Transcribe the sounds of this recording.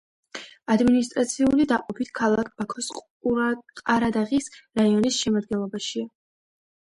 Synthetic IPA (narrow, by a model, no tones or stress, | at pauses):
ad̪minist̪ʼɾat̪sʰiulid̪aqʼɔpʰit̪ʰkʰalˠak̚ʰb̥akʰɔsqʼ | qʼaɾad̪aʁisɾaiɔnisʃɛmad̪̚ɡɛnlˠɔbaʃia